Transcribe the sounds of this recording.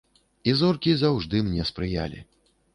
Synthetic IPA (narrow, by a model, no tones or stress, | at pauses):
izɔrkʲizawʐd̪ɨmnʲɛspɾɨja̰lʲḭ